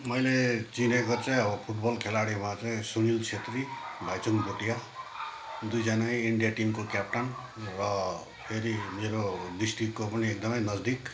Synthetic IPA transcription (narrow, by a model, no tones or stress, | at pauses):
mʌjlet͡sinekot͡saĩʌbʌpʰuʈ̚bʌlkʰelaɽimat͡saĩsunilt͡sʰet̪ɾibʱajt͡suŋbʱoʈija | d̪ujd͡zʌnaĩiɳɖijaʈimkokjap̚ʈan | rʌ | pʰeɾimeɾod̪isʈrikːopʌniek̚d̪ʌmʌjnʌd͡zd̪ik